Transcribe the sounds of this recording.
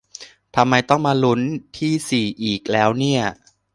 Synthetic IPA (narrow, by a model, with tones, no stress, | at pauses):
t̪ʰa˧mːa˧jt̪ɔ˥˩ŋmaː˧lu˦˥nt̪ʰiː˥˩siː˨˩ʔiː˨˩k̚lɛː˦˥wni˥˩ɐ